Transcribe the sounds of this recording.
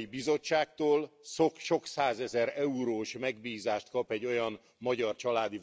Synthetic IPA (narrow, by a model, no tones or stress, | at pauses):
ibizo̞t͡ʃːaːkt̪oːlsokʃo̞ksaːzɛzɛɾɛuɾoːʃmɛɡbiːzaːʃt̪kɒpɛɟːo̞jɒn | mɒɟɒrt͡ʃɒlaːd̪i